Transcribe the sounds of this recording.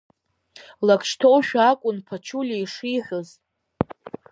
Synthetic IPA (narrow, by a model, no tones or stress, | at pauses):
lakʰʃtʰowʃᶣakʷʼʊnpʰat͡ʃʰulʲeiʂiħʷᶣʊz